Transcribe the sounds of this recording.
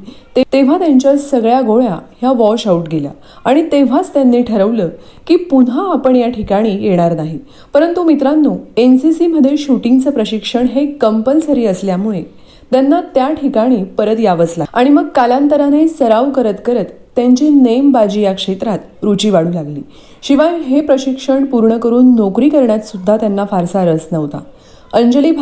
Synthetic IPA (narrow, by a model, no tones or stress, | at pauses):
t̪et̪eʋ̤at̪jaɲt͡ɕjasəɡɭjaɡoɭja̰ɦjaʋɔɕauʈɡela̰ | aɽ̃it̪eʋ̤at͡st̪janːiʈʰəɾəʋləː | kiːpunaːpəɳjaʈʰikaɽ̃iːjeɽ̃aɾnaɦi | pəɾənt̪umit̪ɾanːuːensisiməd̪ʱːjeɕuʈiŋɡt͡səpɾəɕikʂəɳɦekəmpənsəɾiːəsljamuɭe | t̪janːat̪jaʈʰikaɽ̃iːpəɾət̪jaʋət͡slaaɽ̃iməɡ̚kalãnt̪əɾanesəɾaʋkəɾət̪kəɾət̪ːjaɲt͡ɕinəjmbad͡ʑijakʂet̪ɾat̪ | ɾut͡ɕiːʋaɽuːlaɡlḭː | ɕiʋajɦepɾəɕikʂəɳpuɾɳəkəɾuːnːokɾiːkəɾɳjat̪sud̪ʱːat̪janːafaɾsaɾəsnəʋt̪a̰ | əɲd͡ʑəliːb